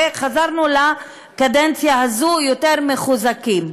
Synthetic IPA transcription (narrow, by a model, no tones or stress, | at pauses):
χazaʁnula | kadent͡sjahazujoteʁmeχuzakim